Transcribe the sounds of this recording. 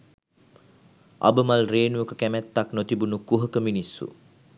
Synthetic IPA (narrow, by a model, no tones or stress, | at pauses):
ʔa̰bəmalreːnujəkəkæmæt̪ːaknot̪ibunukuɦəkəminisːṵ